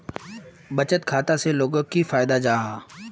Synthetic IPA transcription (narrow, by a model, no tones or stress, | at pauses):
bət͡ʃət̪kʰaːt̪aseloːɡəkːifaːɪd̪ad͡ʒaːɦaː